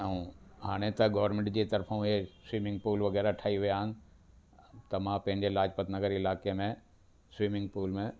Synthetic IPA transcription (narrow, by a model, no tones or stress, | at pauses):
ɛ̃ɦaːɽ̃et̪ɐɡɐʋəɾmẽɳʈd͡ʑeːt̪ɐɾfãɦeswiːmɪ̃ŋɡ̚puːlʋɐɣɛːɾaʈʰaːiʋijaɦə̃nɪ̆ | t̪ɐmãpɐ̃ɦɪ̃ɲd͡ʑelaːd͡ʑpɐt̪nɐɡəɾɪlaːkemẽ | swiːmɪ̃ŋɡpuːlmẽ